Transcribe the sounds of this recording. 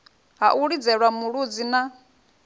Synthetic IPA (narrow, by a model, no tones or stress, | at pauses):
ɦa̰ʔuɺid͡zɛɺwamuɺud͡zina